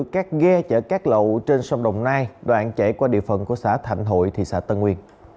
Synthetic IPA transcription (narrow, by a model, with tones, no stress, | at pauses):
kaː˦˥k̚ɣɛ˧t͡ɕəː˧˩kaː˦˥k̚lə̰˧˨wt͡ɕe˧nsa˧wŋ͡mɗə˨˩wŋ͡mnaː˧jɗwa̰ː˧˨nt͡ɕɛ˧˩jkwaː˧˩ɗḭ˧˨əfə˨˩nku˧˩˦əsaː˧˥˩t̪ʰa̰˧˩jŋ̟ɦo̰˧˨jt̪ʰḭ˨˩saː˧˩˥t̪ə˧nŋwi˧ən